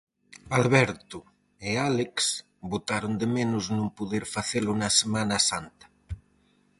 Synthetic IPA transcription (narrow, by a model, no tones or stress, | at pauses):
alβɛɾt̪u | ealeks | but̪aɾond̪emenuznũmpuðeɾfaθelunasemanasant̪ḁ